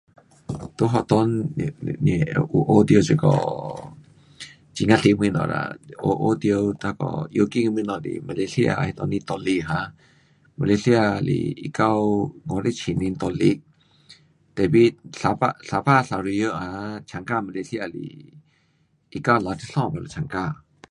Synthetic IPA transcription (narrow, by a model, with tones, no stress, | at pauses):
t̪u˧˦ɦɔ˧˨t̪ɔ˧nnɛ˨ʔu˧ʔo˧d̪i˧o˧t͡ʃi˧˨kɔ̰˧˨ | t͡ʃi˧ŋa˧ɬi˧mi˧˨nɔ̰˨ɾa̰˧o˧ʔo˧d̪i˧o˧wt̪a˧kɔ̰˧jo˧ki˦ŋ˧mi˧nɔ˨dḭ˨ma˧la˧si˦a̰˧hi˧t̪ɔ˧ni˧t̪ɔ˧li˧ɦa˧˦ | ma˧la˧si˧a˧˨lḭ˧ḭ˧˨ka˧wŋɔ˧˨ɾe˦t͡ʃʰi˨ni˧nt̪ɔ˧li˧˦ʔ̚ | t̪ɛ˨bi˦ɬa˧pa˧ɬa˧pa˦˨ɬa˧ɾi˧jə˦ʔha˧t͡ʃʰa˨ŋka˦˧˨ma˧la˧si˦a˧˨lḭ˨ | ʔi˧ka˦˧wla˨t̪ʰi˧ɬɔ̃˦˨ma˨la˨t͡ʃʰa˨ŋka˧